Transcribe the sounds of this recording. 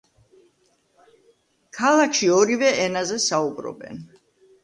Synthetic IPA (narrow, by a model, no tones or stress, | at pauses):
kʰalˠakʰʃiɔɾivɛʔɛnazɛsaubɾɔ̰bɛ̰n